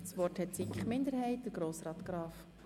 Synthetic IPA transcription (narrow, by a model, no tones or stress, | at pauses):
sʋɔrthɛtsikχmɪnd̪əɾhɛɪt̚d̥əɾɡɾoːsrɑːt̪ɡ̥ɾɑːf